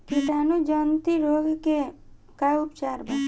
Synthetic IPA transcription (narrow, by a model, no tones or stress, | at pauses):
kiʈaːnud͡ʒənt̪iɾoːɡke | kaʊpt͡ʃaːɾbʱa